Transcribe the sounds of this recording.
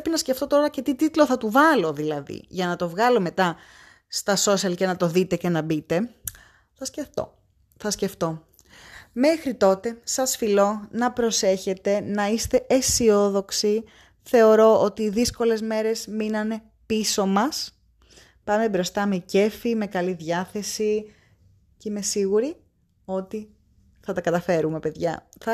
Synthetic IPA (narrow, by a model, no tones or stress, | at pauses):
pinɐsceft̪o̞t̪o̞ɾɐce̞t̪it̪it̪lo̞θɐt̪uvɐlo̞ðilɐðḭʝɐnɐt̪o̞vɣɐlo̞me̞t̪ɐ | st̪ɐso̞siɐlce̞nɐt̪o̞ðit̪e̞ce̞nɐbit̪e̞ | θɐsceft̪o̰ | θɐsce̞ft̪o̞ | me̞xɾit̪o̞t̪e̞sɐsfilo̞nɐpɾo̞se̞çe̞t̪e̞nɐist̪e̞ʔesio̞ðo̞ksi | θe̞o̞ɾo̞ot̪iðisko̞le̞zme̞ɾe̞zminɐne̞ | piso̞mɐs | pɐme̞bɾo̞st̪ɐmece̞fime̞kɐliðʝɐθe̞si | ceme̞siɣuɾi | o̞t̪i | θɐt̪ɐkɐt̪ɐfe̞ɾume̞pe̞ðʝɐθɐ